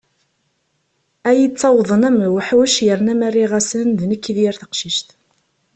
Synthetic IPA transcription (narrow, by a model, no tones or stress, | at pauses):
æjət͡sːɑwðˤənæmwəħwəʃjəɾnæmærːiʁæsənðnəkːiðjəɾθə̥qʃiʃt̪